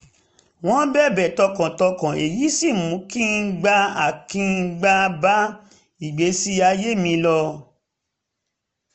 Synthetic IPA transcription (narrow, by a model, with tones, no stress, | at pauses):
w̃ɔ̃˦bɛ˦˨bɛ˨tɔ˧kã˨tɔ˧kã˨e˨ji˨˦si˦˨mũ˨˦kĩ˦n̩˦ɡ͡ba˦a˨kĩ˦˧ɡ͡ba˦ba˦ | i˨ɡ͡be˨˦si˦a˧je˦mĩ˧lɔ˧